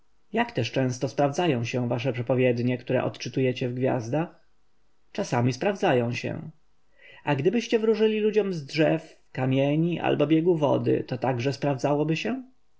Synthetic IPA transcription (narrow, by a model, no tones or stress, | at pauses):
jakt̪ɛʂt͡ʂɛ̃w̃st̪ɔspɾavd̪zajɔ̃w̃ɕɛ̃vaʂɛpʂɛpɔvʲjɛd̪ɲɛkt̪uɾɛ̰ʔɔ̰t̪t͡ʂɘt̪ujɛt͡ɕɛvɡvʲja̰zd̪ax | t͡ʂasamʲispɾavd̪zajɔ̃w̃ɕɛ̰̃ | aɡd̪ɘbɘɕt͡ɕɛvɾuʐɘlʲilud͡ʑɔmzdʐɛf | kamʲjɛɲiʔa̰lbɔbʲjɛɡuvɔ̰d̪ɘ̰t̪ɔt̪aɡʐɛspɾavd̪zawɔbɘɕɛ